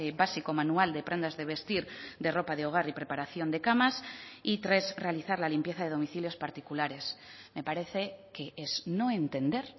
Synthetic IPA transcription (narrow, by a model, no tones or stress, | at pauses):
eβasikomanuald̪epɾe̞nd̪azðe̞β̞e̞st̪iɾd̪e̞ro̞paðeo̞ɣ̞aɾipɾe̞paɾaθjo̞nd̪e̞kamasit̪ɾe̞zre̞aliθaɾlalimpje̞θaðeðo̞miθiljo̞spaɾt̪ikulaɾe̞s | me̞paɾe̞θe̞keʔeznõe̞nt̪e̞nd̪e̞ɾ